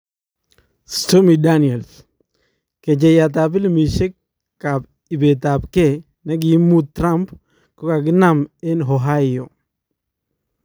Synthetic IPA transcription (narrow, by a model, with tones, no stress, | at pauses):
stomi˨dani˨ɛ˨ls | ke˨d͡ʒɛja˨t̬ap̬ɪ˦lmi˨ʃɪ˦kː | ab | i˨beta˨pke | na˦ɡi˦mutɾamp | ko˦ka˨ɡɪ˦namɛ˦nɦoɦa˦ɪjo